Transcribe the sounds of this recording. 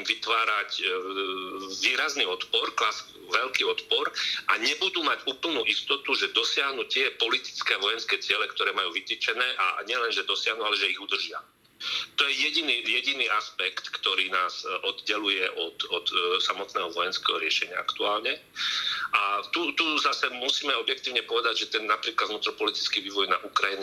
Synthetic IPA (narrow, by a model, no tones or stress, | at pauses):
imʋit̪ʋaːɾac | ʋiːɾazniɔt̪pɔɾklas | ʋɛlkiːɔt̪pɔɾʔaɲɛbud̪uːmaɟuːpl̩nuːʔist̪ɔt̪uʒɛd̪ɔsɪaɦnut̪ɪɛpɔlit̪i̥t͡skɛːaʋɔjɛnskɛːt͡sɪɛlɛkt̪ɔɾɛːmajuːʋit̪it͡ʃɛnɛːʔa̰ɲɪɛlɛnʒɛd̪ɔsɪaɦnualɛʒɛiɣud̪r̩ʒɪa̰ | t̪ɔjɛjɛɟiniːjɛɟiniːʔaspɛkt̪kt̪ɔɾiːnaːz̥ɔd̪ɟɛlujɛʔɔt̪ɔt̪samɔt̪nɛːɦɔʋɔjɛnskɛːɦɔɾɪɛʃɛɲɪa̰a̰kt̪uaːlɲɛ | ʔat̪ut̪uzasɛmusiːmɛɔbjɛk̚t̪iːʊɲɛpɔʋɛd̪aɟʒɛt̪ɛnːapɾiːklad̪vnuːt̪ɾɔpɔlit̪i̥t͡skiʋiːʋɔjnaʔukɾajin